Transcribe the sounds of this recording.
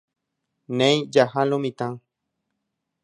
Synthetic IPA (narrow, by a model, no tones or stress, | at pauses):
nẽjd͡ʒahalomĩt̪ãŋ